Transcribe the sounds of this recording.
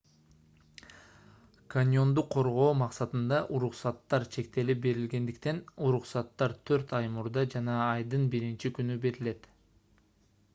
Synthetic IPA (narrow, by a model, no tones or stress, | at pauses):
kʰanʲjo̞nd̪uqʰːo̞ɾʁo̞ːmɑqsɑt̪ɯnd̪ɑʔuɾuqsɑt̪ːɑɾt͡ʃʰe̞kt̪e̞lip̚be̞ɾilɡe̞nd̪ikt̪e̞nuɾuqsɑt̪ːɑɾt̪ʰøɾt̪ɑjmuɾd̪ɑd͡ʒɑnɑːjd̪ɯnbiɾint͡ʃikynybe̞ɾile̞t̪